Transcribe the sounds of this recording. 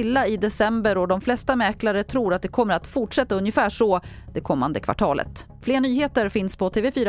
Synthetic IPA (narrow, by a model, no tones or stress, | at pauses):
ɪlːaɪd̪ɛsɛmbəɾɔd̪ɔmflɛst̪amɛːklaɾət̪ʰɾuːɾat̪̚d̪ɛkʰɔmːəɾat̪fʊʈʂɛt̪ːaɵnjəfæːʂɔd̪ɛkʰɔmːa̰nd̪əkʰva̰ʈʰɑːlʔə̰t̪ | fleːɳyːheːt̪əɾfɪnspʰɔt̪ʰeːvɛfyːɾa